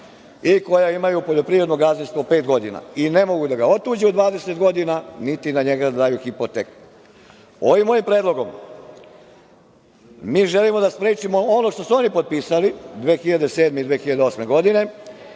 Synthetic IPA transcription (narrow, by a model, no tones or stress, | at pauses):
iko̞jaimajupoʎo̞pɾiʋɾed̪noɡaznist̪ʋope̞ːt̪ɡo̞d̪ina̰ine̞mo̞ɡud̪aɡao̞t̪uːd͡ʑeud̪ʋaːd̪e̞set̪ɡo̞d̪inanit̪inaɲeɡad̪d̪aːjuxipot̪ek | o̞ʋimːo̞jimpɾed̪lˠo̞ɡo̞m | miːʒe̞limo̞d̪aspɾeːt͡ʃimoono̞ʃt̪o̞suonipot̪̚piːsalid̪ʋeːxiʎad̪e̞se̞ːd̪meid̪ʋe̞ːxiʎad̪eo̞sme̞ɡo̞d̪ine̞